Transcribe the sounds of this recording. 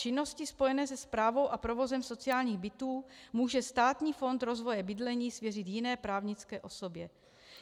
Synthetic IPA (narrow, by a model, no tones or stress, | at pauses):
t͡ʃɪnːo̞scɪspo̞jɛnɛːs̬ɛspɾaːvo̞wʔapɾovo̞zɛmso̞t͡sɪaːlɲiːɣbɪt̪uːmuːʒɛst̪aːt̪ɲiːfo̞nt̪ɾo̞zvo̞jɛbɪdlɛɲiːsvjɛrɪt̪jɪnɛːpɾaːvɲɪt͡skɛːʔo̞so̞bjɛ